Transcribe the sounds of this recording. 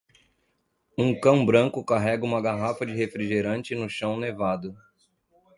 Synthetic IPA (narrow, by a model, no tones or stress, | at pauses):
ũkɐ̃w̃bɾɐ̃ŋkʊkaɦɛɡɐũmɐɡaɦafɐd͡ʒɪɦefɾiʒeɾɐ̃nt͡ʃɪnʊʃɐ̃w̃nevad̪ʊ